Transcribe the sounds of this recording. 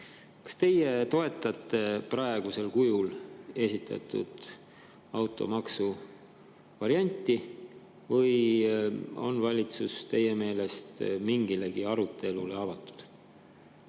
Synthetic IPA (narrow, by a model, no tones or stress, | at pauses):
kɑ̥st̪e̞je̞t̪o̞e̞t̪ːˑɑt̪ˑːe̞prɑe̞ɡ̥use̞lkujule̞sit̪ʰːˑɑ̰t̪ːṵd̪̥ | ɑwt̪ˑo̞̰mɑksu | vɑɾiɑnʲt̪ːˑi | vɤj | o̞̰nvɑlʲit̪sust̪e̞je̞me̞ːle̞st̪miŋɡile̞ɡ̥iɑɾut̪ʰe̞lṵle̞ɑvɑt̪ːˑu̥d̪̥